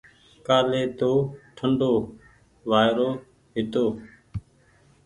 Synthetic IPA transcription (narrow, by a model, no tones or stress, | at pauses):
kaːleːt̪oːʈʰəɳɖoː | ʋaːjɾoː | ɦɪt̪oː